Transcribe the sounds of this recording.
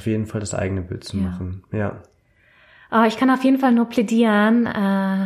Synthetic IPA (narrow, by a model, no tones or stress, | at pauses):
fjeːdn̩faldasʔa̰ɪɡənəbɪ̰ltt͡sumaχn̩ja̰ː | ʔaːɪçkʰanaʊfjeːdn̩falnuːɐpʰlɛdiːʁənɛː